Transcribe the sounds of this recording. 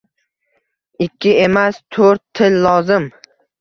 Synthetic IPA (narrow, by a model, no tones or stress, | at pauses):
ɪkʲʰːɪe̞mast̪ʰoɾt̪ʰːɪllɒzɪm